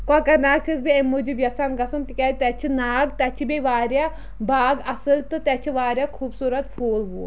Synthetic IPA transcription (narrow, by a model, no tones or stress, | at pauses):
kaːkɐnaːɡ̚t͡ʃʰɐzbiemːuːd͡ʒibjɐsanɡɐsumt̪ikʲat̪ɛt͡ʃʰinaːɡt̪ɐt͡ʃʰibeʋaːɾjaː | baːɡɐsɨlt̪ɨt̪ɛt͡ʃʰiʋaːɾʲjaːkʰuːbsuːɾɐt̪pʰoːlʋuː